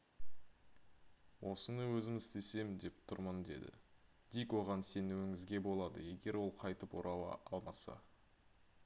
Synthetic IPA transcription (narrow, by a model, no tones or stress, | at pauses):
wʔo̞sənəwɵzɪmɪzt̪e̞se̞mɪnd̪e̞p̚t̪ʰʊɾmənd̪e̞̰d̪ɪ̰ | d̪̥ijkwoʁɑnse̞nuwɪŋɪzɡʲe̞bo̞lˠɑd̪ə̰je̞ɡʲe̞ɾwo̞lˠqʰɑjt̪əpwo̞ɾʔɑwɑ̰ɑlˠmɑsɑ̰